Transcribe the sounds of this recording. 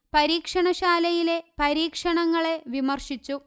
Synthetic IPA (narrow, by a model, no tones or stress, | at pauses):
pɐɾiːkʂɐɳɐɕaːlɐjile̞pɐɾiːkʂɐɳɐŋːɐɭe̞ʋimɐrʂit͡ɕːu